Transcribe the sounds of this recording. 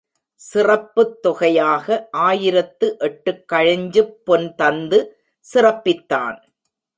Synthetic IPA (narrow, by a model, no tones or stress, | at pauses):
sɪrɐpːɯt̪ːɔɣɐjaːɣɐʔaːjɪɾɐt̪ːɯʔɛʈːɯkːɐɻɐɲd͡ʒɯpːɔnt̪ɐnd̪ɯ | sɪrɐpːɪt̪ːa̰ːn